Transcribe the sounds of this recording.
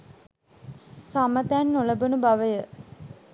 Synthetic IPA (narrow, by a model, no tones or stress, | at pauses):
samət̪ænːoləbunubaʋəjə